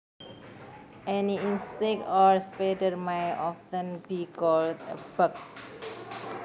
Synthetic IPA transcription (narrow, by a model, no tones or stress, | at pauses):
ʔɛniĩnsek̚tɔɹspeʈəɾmajɔftə̃nbikɔldəbək̚